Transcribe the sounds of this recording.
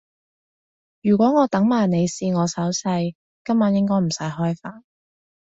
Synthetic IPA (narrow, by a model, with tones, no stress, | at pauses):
jyː˨˩kʷɔː˨˥ŋɔː˨˧t̪ɐ˨˥ŋmaː˨˩jne˨˧jsiː˧ŋɔː˨˧sɐ˨˥wsɐ˧j | kɐ˥mːaː˨˥njɪ˥ŋkɔː˥jm̩˨˩sɐ˨˥jɦɔː˥jfaː˨˩n